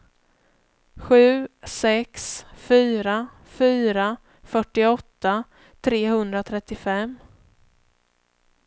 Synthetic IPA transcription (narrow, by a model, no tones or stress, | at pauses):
ɧʉ̟ːsɛksfyːɾa | fyːɾa | fœʈːɪɔt̪ːa | t̪ʰɾeːhɵnd̪ɾat̪ʰɾɛt̪ːɪfɛm